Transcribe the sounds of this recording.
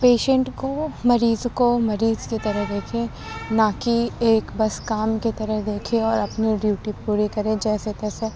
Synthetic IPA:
peːʃə̃ɳʈkomɐɾiːzkomɐɾiːzkit̪ɐɾəɦd̪eːkʰẽ | nakieːkbɐskaːmkit̪ɐɾəɦd̪eːkʰẽɔːɾɐpniɖjuːʈipuːɾikɐɾẽd͡ʒɛːset̪ɛːse

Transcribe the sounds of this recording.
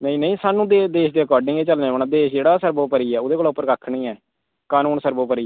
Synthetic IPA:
nəĩːnəĩːsaːnũːd̪eːd̪eːʃd̪eːəkɔːɾɖɪ̃ŋeːt͡ʃəlnẽːənaːd̪eːʃd͡ʒeːɽaːsəɾboːpəɾiːɛːʊd̪eːkoːlaːʊpːəɾkəkʰːnĩːɛː | kaːnuːnsəɾboːpəɾiː

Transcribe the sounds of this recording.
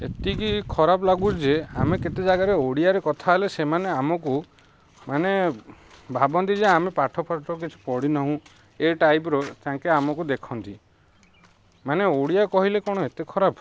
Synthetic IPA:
ḛt̪ikikʰɔɾabɔlaɡud͡ʒeameket̪ed͡ʒaɡaɾeoɽiaɾekɔt̪ʰaelesemaneamɔku | mane | bʱabɔnt̪id͡ʒeamepaʈʰɔpʰaʈɔk̬it͡ʃʰu̥pɔɽinɔɦũ | eʈajbɾɔt̪ãŋkeamɔkud̪ekʰɔnt̪i | maneoɽijakɔɦilekɔɽ̃ɔet̪ekʰɔɾabɔ

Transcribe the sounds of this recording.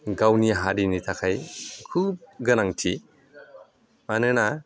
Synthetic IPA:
ɡawniɦaɾinitʰakʰajkʰub̚ɡənaŋtʰi | manɯna

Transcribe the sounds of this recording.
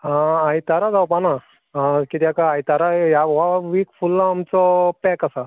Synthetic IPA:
ãajt̪aɾad͡zawpana | ãkit̪jakaajt̪aɾajaʋaʋikfulːaːmt͡sɔpɛkasa

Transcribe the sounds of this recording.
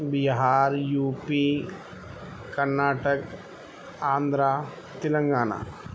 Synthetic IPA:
biɦaːɾjuːpi | kɐɾnaːʈək | ãːnd̪ɾa | t̪ɪlə̃ŋɡaːna̰ː

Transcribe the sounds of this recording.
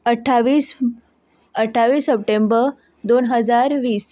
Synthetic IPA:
əʈʰːaʋiːs | əʈʰːaʋiːsːəp̚ʈembə | d̪onɦəd͡zaɾʋiːs

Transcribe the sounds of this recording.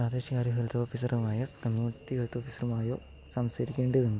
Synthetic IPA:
aːd̪eːɕɐkaːɾjɐɦɐɾut̪ːɐoːfisɐrumaːjɐkɐmjuːiʈːihɐɾut̪ːoːfisɐrumaːjo̞̰ː | sɐmsɐɾikʲːeːɳɖieðuɳɖɨ

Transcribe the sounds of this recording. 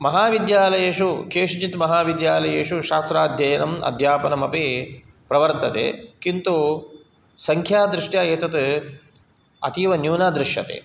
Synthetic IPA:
mɐɦaːʋid̪jaːlɐjeːʂukeːʂd͡ʒit̪mɐɦaːʋid̪jaːlɐjeːʂuʃaːst̪ɾaːd̪ʱjɐjɐnɐmɐ̰d̪ʱjaːpɐnɐmɐpi | pɾɐʋɐɾt̪ɐt̪ḛːkint̪u | sɐŋkʰjaːd̪ɾɪʂʈjaːjeːt̪ɐt̪ | ɐ̰t̪iːʋɐnjuːnaːd̪ɾɪʃjɐ̰t̪ḛː

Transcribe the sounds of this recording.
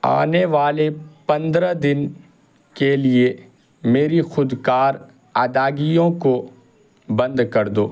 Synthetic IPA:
a̰ːneʋaːlepɐ̃nd̪ɾad̪ɪn | kelie | meːɾixʊd̪kaːɾ | aːd̪aːɡijõko | bɐ̃nd̪kɐɾd̪oː

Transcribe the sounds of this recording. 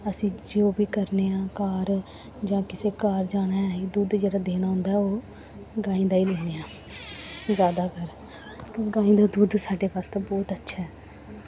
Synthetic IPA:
əsĩːd͡ʒoːbiːkəɾneːãːkaːɾ | d͡ʒãːkɪseːkaːɾd͡ʒaːɽ̃aːɛːd̪uːd̪d͡ʒeːɽaːd̪eːnaːɦʊ̃nd̪aːɦɛoː | ɡãːĩːd̪aːiːleːɽeːãː | zjaːd̪aːkəɾ | kõɡãːĩːd̪aːd̪uːd̪saːɖeːbaːst̪aːbɔːt̪ətːʃʰaːɦɛː

